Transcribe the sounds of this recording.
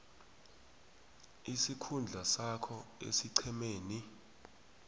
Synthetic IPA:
isikʰund͡ɮʱasakʰɔḛsiǀʰɛmeːni

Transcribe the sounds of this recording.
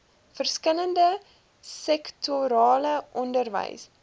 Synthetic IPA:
fərskələndə | sɛktʰoɾɑːləʔɔndərvə̰js

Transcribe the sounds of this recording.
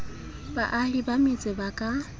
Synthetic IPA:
baʔalibamit͡sʼɪbakʼa

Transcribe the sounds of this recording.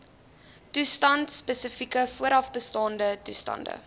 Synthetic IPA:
tustɐntspəsəfikəfuəɾɐfbəstɑːndətustɐ̰ndə̰

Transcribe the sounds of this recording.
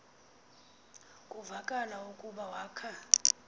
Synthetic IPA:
kʼuvakʼalaukʼuɓawaːkʰa

